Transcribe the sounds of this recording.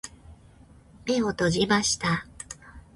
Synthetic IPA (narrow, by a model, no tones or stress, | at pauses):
me̞o̞t̪o̞ʑimaɕi̥t̪a